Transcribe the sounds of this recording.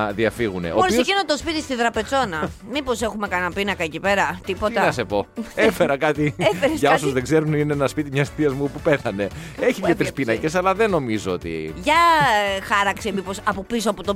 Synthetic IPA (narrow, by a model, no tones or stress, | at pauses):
ðiɐfiɣuneooɾiosskinot̪ospit̪ist̪iðɾɐpet͡so̞nɐmipose̞xume̞kɐnɐpinɐkɐecipe̞ɾɐt̪ipo̞t̪ɐnɐsepo̞efeɾɐkɐt̪iefeɾʝɐosuzðeɡze̞ɾunineenɐspit̪imɲɐst̪iɐzmupupeθɐne̞eçiʝɐt̪ɾispinɐce̞sɐlɐðeno̞mizoot̪ḭʝɐxɐɾɐksimipo̞sɐpopisoɐpot̪o